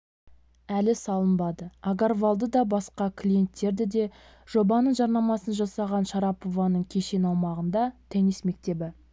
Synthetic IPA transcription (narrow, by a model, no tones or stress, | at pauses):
ælɪsɑlˠəmbɑd̪əaɡaɾvɑlˠd̪əd̪ɑbɑsqɑkʲʰlʲije̞nt̪ːe̞ɾd̪ɪd̪e̞ | ʒ̥o̞bɑnəɴʒɑɾnɑmɑsənʒɑsɑʁɑnʃɑɾɑpo̞vɑnəɴkʲʰe̞ʃe̞nɑwmɑʁənd̪ɑt̪ʰenisme̞k̚t̪e̞bɪ